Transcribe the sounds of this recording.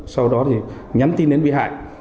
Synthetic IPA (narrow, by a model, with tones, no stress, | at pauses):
sa˧wɗɔ˨˦t̪ʰi˨˩ | ɲa˨˦mt̪i˧nɗe˨˦nvi˧˨ɦa̰ː˧˨j